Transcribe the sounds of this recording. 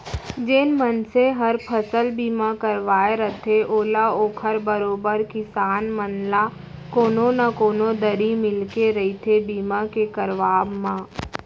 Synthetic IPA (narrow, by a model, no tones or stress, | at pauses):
d͡ʒɪnmənseɦəɾpʰəsəlbiːmãkəɾʋaːeɾət̪ʰeʔoːlaoːkʰəɾbəɾoːbəɾkɪsaːnmənla | koːnõnakoːnõd̪əɾimɪlkeɾɐɦit̪ʰebiːmakekəɾʋaːbmãː